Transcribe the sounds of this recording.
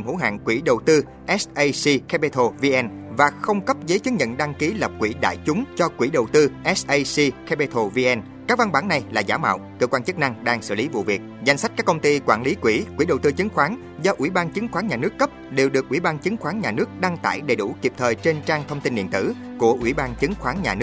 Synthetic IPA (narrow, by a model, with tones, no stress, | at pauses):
mhṵ˧˥ɦa̰ː˧˨ŋkwi˧˩ɗə˨˩wt̪ɨ˧ | ʔɛ˦˥sʔə˧jsi˧ka˧ɓe˧t̪ʰo˧vi˧ʔɛ˧nvaː˨˩xə˧wŋ͡mkə˦˥p̚zəː˨˦jt͡ɕɨ˨˦˥ŋ̚ɲə̰˧˨nɗa˧ŋki˨˦lə˨˩p̚kwḭ˧˩ɗa̰ː˧˨jt͡ɕʊ˨˦ŋ͡mt͡ɕɔ˧kwi˧˩ɗə˨˩wt̪ɨ˧ʔɛ˦˥sʔə˧jsi˧kɛ˧ɓe˧t̪ʰo˧vi˧ʔɛ˧n | kaː˦˥k̚va˧nɓaː˧˩nːa˨˩jlaː˨˩zaː˧˦ma̰ː˧˨wkkɨ̰ː˧˨kwaː˧nt͡ɕɨ˦˥k̚na˧ŋɗaː˧ŋsɨ̰˧˩˨li˨˦vṵ˧˨vi˨˩ək̚za˧jŋ̟sa˦˥t̚aː˦˥kə˧wŋ͡mt̪i˧kwaː˧˩nli˨˦kwi˧˩kwi˧˩ɗə˨˩wt̪ɨ˧t͡ɕɨ˨˦ŋxwaː˨˦n | zɔ˧ʔwi˧˩ɓaː˧nt͡ɕɨ˨˦ŋxwaː˨˦nɲaː˨˩nɨ˦˥əkːə˦˥p̚ɗe˨˩wɗɨ˨˩ək̚ʔwi˧˩ɓaː˧nt͡ɕɨ˨˦ŋxwaː˨˦nɲaː˨˩nɨ˦˥ək̚ɗa˧ŋt̪a̰ː˧˩jɗə˨˩jɗu˧˩ki˨˩əp̚t̪ʰəː˨˩jt͡ɕe˧nt͡ɕaː˧ŋt̪ʰə˧wŋ͡mt̪i˧nɗḭ˧˨ənt̪ɨ̰˧˩ | ku˧˩əʔwi˧˩ɓaː˧nt͡ɕɨ˨˦ŋxwaː˨˦nɲaː˨˩nɨ˦˥